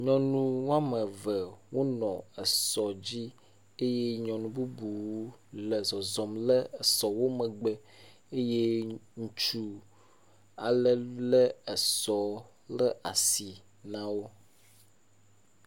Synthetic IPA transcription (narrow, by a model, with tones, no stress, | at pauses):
ɲɔ̃˨nũ˦wa˦mɛ̃˨vɛ˨wo˦nɔ̃˨ɛ˨sɔ˨d͡ʑi˦ | e˦je˦ɲɔ̃˨nũ˦bu˦bu˨wu˦lɛ˨zɔ˨zɔ˨mlɛ˦ɛ˨sɔ˨wo˦mɛ̃˨ɡ͡bɛ˨ | e˦je˦ŋũ˨t͡ʃu˦ | a˨lɛ˨lɛ˦ɛ˨sɔ˨ | lɛ˦a̰˨si˨ | nã˦wo˦